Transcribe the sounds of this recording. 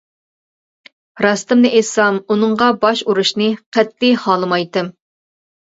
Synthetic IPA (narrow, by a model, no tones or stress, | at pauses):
ɾɑst̪ɨmnɨʔesɑmunɨɴʁɑbɑʃuɾuʃnɨqʰɛt̪ːihɑːlˠɨmɑjt̪ɨm